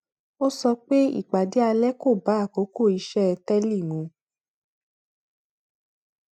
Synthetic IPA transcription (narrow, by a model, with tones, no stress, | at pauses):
o˦sɔ˧k͡pe˦ḭ˦˨k͡pa˨de˨˦a˧lɛ˦ko˦˨ba˨˦a˦˨ko˨˦ko˦˨i˧˦ʃɛ˦ɛ˧tɛ˦li˦˨nũ˨˧˦